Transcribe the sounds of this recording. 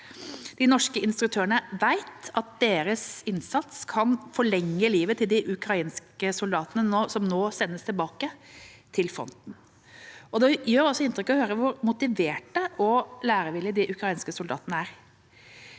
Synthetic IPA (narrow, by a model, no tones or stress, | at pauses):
d̪̥ɪnɔʂkəɪnst̪ɾʉk̚t̪ʰøːɾəɳəʋæɪt̪ɑt̪̚d̪eːɾəsɪnsɑt̪skʰɑnfɔɭɛŋːəliːʋət̪ʰɪld̪ɪʔʉkɾɑiːnskəsʊld̪ɑːt̪ənənoːsɔmnoːsɛnːəst̪ʰɪlbɑːkət̪ʰɪlfɾɔ̰nt̪n̩ | ʔɔd̪ɛjøːɾɔsːɔɪnt̪ɾʏkːɔhøːɾəʋʊɾmʊt̪ɪʋeːʈəʔɔlæːɾəʋɪlɪd̪ɪʔʉkɾɑiːnskəsʊld̪ɑ̰ːt̪ənəæɾ